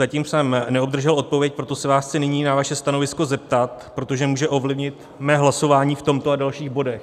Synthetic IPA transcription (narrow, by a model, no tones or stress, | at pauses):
zaciːmsɛmnɛobd̪r̩ʒɛlo̞t̪̚po̞vjɛc̚pɾo̞t̪o̞sɛvaːsxt͡sɛnɪɲiːnavaʃɛst̪ano̞vɪsko̞zɛp̚t̪at̪̚pɾo̞t̪o̞ʒɛmuːʒɛʔo̞vlɪvɲɪt̪ | mɛːɦlaso̞vaːɲiːft̪o̞mt̪o̞adalʃiːɣbo̞dɛx